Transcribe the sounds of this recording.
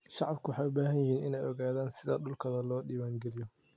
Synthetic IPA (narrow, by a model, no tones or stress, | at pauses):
ʃɑʕɑbkʰʊwɑħɑːjʊbaːɦɐnjɪhiːnɪnɛjɔɣaːðaːnsɪðɐ̰ɗʊlkʰɐðɐlɔːɗiːwaːŋɡɛlɪjɔ